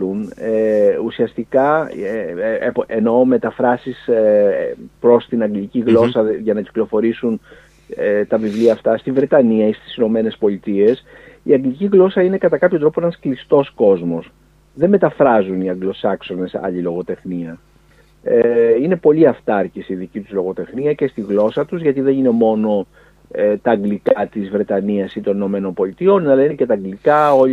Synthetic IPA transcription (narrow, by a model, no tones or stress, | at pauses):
uneusiɐst̪ikɐepeno̞me̞t̪ɐfɾɐsis | pɾo̞st̪inɐŋɡliciɣlo̞sɐʝɐnɐci̥klo̞fo̞ɾisun | t̪ɐvivliɐːft̪ɐst̪ivɾe̞t̪ɐniɐist̪i̥sino̞me̞ne̞spo̞lit̪ie̞siɐɡliciɣlo̞sɐine̞kɐt̪ɐkɐpçont̪ɾo̞poenɐsklist̪o̞sko̞zmo̞s | ðe̞me̞t̪ɐfɾɐzuniɐŋɡlo̞sɐkso̞ne̞sɐ̰ʎilo̞ɣo̞t̪e̞xniɐ | eine̞po̞ʎiɐft̪ɐɾcisiðicit̪uzlo̞ɣo̞t̪e̞xniɐce̞st̪iɣlo̞sɐt̪uzʝɐt̪iðe̞nine̞mo̞no̞ | et̪ɐːŋɡlikɐt̪izvɾe̞t̪ɐniɐsit̪o̞nino̞me̞no̞nbo̞lit̪io̞nɐlɐinece̞t̪ɐːŋɡlikɐo̞